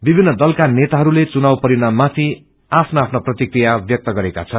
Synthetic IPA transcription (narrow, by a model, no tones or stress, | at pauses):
bibʱinːʌd̪ʌlkanet̪aɦʌɾulet͡sunawpʌɾinamːat̪ʰi | apʰnoapʰnaprʌt̪ikrijabjʌk̚t̪ʌɡʌɾeka̰t͡sʰʌn